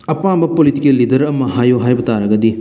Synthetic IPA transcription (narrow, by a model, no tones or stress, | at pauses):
ɐpambɐpolitikelːid̪ɐɾɐmːɐɦajoɦaːjbɐt̪aɾɐɡɐd̪i